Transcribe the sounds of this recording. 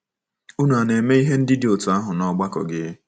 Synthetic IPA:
u˦nu˨a˨ne˨me˦i˦ɦe˦n̩˦dɪ˦dɪ˦o˨tu˨a˦ɦʊ˨nɔ˦ɡ͡ba˦kɔ̰˨ɡɪ˦

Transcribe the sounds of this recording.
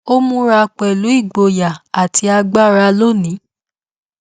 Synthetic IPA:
o˦mũ˦ɾa˧k͡pɛ˨lu˨˦i˦˨ɡ͡bo˨ja˨a˨tʰi˧a˧ɡ͡ba˦ɾa˧˦lo˦˨nĩ˨˦

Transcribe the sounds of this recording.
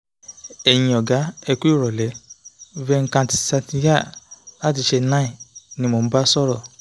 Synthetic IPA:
ɛ˨j̃ĩ˨ɔ˨ɡa˨˦ɛ˧ku˦i˦˨ɾɔ˨lɛ˨˦vɛ˧ŋ̩˦kã˧ti̥˧sa˧ti˧ja˦˨la˨˦ti˨˧ʃe˧nã˦ĩ˦˨nĩ˧˦mo˨˦ba˦sɔ˦ɾɔ˦˨

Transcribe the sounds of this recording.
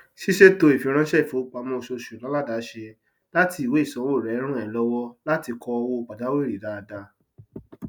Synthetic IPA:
ʃi˦ʃe˦to˧e˨fi˨˧˦ɾ̃ã˦ʃɛ˦i˨fo˨˦˨k͡pa˨˧˦mɔ̃˦˧ʃo˧ʃu˨la˨˦la˦˨da˨˦ʃe˧ | la˦ti˧i˨we˨˦i˦˨sɔ̃˨˦wo˦˨ɾɛ˨˦ɾ̃ã˦ɛ˨lɔ˦wɔ˦la˦ti˧kɔ˧wo˦˧k͡pa˨da˨˦we˦˨ɾi˨da˧da˧

